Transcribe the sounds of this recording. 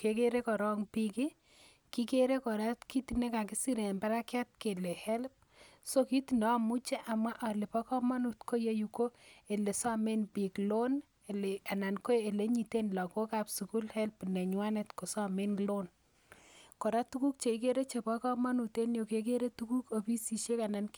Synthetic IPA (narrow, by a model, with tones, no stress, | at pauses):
ke˨ke˦ɾe˦kɔ˨ɾɔ˦ŋpi˦ki˦ | ki˦ke˦ɾe˦kɔ˨ɾa˦tki˦ti˨ne˦ka˨ki˦si˦ɾe˨mba˦ɾa˦kja˦t̚ke˨le˨hɛ˦lp̚ | so˦ki˦ti˨nɔ˨˦a˦˨mu˦t͡ʃe˦ʔa˨mwa˦ʔa˨le˨pɔ˦kɔ˦ma˦nu˨tko˦je˦ju˨ko˦e˨le˨sa˦me˦npi˨klo˦n | e˨le˨a˨na˨nko˦e˨le˦ɲi˨te˦nla˨ko˦ka˨psu˨ku˦lhɛ˦lpne˨ɲwa˦ne˨tko˨sɔ˦me˦nlo˦n | ko˨ɾa˦tu˦ku˦k̚t͡ʃe˨i˦ke˦ɾe˦t͡ʃe˨pɔ˦kɔ˦ma˦nu˨te˦njo˨ke˦k̬e˦ɾe˦tuku˦ko˨pi˦si˨ʃe˦ka˨na˨n